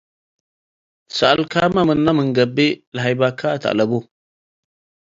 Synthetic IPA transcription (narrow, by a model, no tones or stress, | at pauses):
saʔalkamamɨnːamɨŋɡɐbelaɦajbakʰata̰ʔlabo